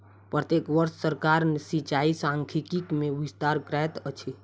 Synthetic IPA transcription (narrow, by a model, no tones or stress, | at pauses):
pɾət̪ekʋəɾsːəɾkaɾnsit͡ʃaisãŋkʰikikmẽʋist̪aɾkɾɛt̪ət͡ʃʰi